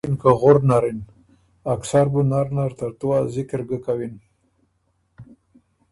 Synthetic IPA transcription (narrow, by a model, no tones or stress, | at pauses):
inkaɣoɾnaɾin | aksaɾbunaɾnaɾt̪aɾt̪uwazɪkəɾɡəkawin